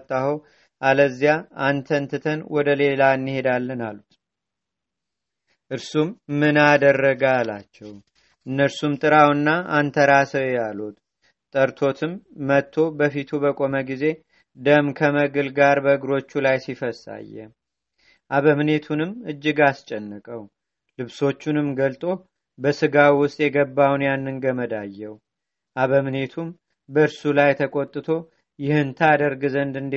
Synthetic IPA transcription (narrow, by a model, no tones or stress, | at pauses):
t̪ʼːahəw | ʔaləzijaant̪ʰənt̪ʰɨt̪ʰənwɔd̪əle̞laɨnːɨhe̞d̪alːɨnalut̪ | ʔɨɾsumːɨnad̪ərːəɡalat͡ʃːɛw | ʔɨnːəɾsumt̪ʼɨɾawnːaant̪ʰəɾasəjalut̪ | t̪ʼəɾt̪ʰo̞t̪ʰɨmːət̪ʰːo̞bəfit̪ʰubəkʼo̞məɡize̞ | d̪əmkʰəməɡɨlɡaɾbəɨɡɾo̞t͡ʃːulajsifəsa̰jːɛ̰ | ʔaβəmnet̪ʰunɨmɨd͡ʒːɨɡast͡ʃʼɛnːɨkʼəw | lɨβso̞t͡ʃːunɨmɡəlt̪ʼo̞ | bəsɨɡawwʊst̪ʼjɛɡəbːawnjanːɨŋɡəməd̪ajːɛw | ʔaβəmne̞t̪ʰum | bəɨɾsulajt̪ʰəkʼo̞t̪ʼːɨt̪ʰo̞ | jɪhɨnt̪ʰad̪əɾɡɨzənd̪ɨnd̪